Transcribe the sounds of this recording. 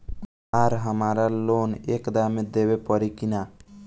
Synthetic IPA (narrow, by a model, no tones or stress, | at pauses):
aɾɦəmaɾalonekd̪amed̪ebepəɾikina